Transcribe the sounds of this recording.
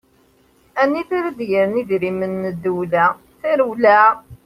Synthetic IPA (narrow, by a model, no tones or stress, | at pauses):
ænːiθiɾəd̪jəɾniðɾimənːəd̪ulæ | θiɾuwlæ